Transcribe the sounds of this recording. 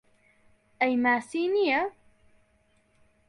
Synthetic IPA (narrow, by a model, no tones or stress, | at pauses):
ʔajmaːsiːnɪja